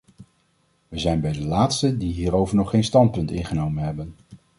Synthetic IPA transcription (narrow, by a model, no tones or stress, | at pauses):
ʋəzɛjnbɛjdəlaːtstədiɦiːɾowvəɹnɔχːejnstɑnt̚pɵntɪnχənowmənɦɛbən